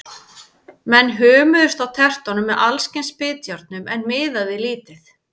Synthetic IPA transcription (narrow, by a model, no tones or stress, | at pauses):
mɛnːɦœːmʏðʏst̪awt̪ʰɛr̥t̪ɔnʏmːɛðʔalscɪnspɪːt̪jœɾt̪̚nʏmɛnmɪːðaðɪliːt̪ɪθ